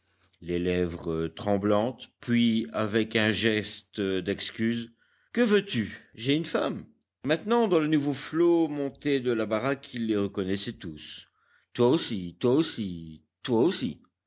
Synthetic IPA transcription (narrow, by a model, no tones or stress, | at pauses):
lelɛvʁət̪χɑ̃blɑ̃t̪pɥiavɛkɛ̃ʒɛst̪d̪ɛkskʲyːz | kəvøt̪yʒeynfamː | ɛ̃t̪nɑ̃d̪ɑ̃lənuvoflomɔ̃t̪ed̪əlabaʁakʰilːeʁəkɔnɛsɛt̪us | t̪waosit̪waosi | t̪waosḭ